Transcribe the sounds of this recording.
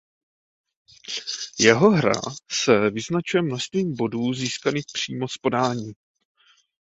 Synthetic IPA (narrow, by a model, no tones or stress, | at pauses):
jɛɦo̞ɦɾa̰sɛvɪznat͡ʃujɛmno̞ʃst̪viːmbo̞duːziːskanɪxpr̝̥iːmo̞spo̞daːɲiː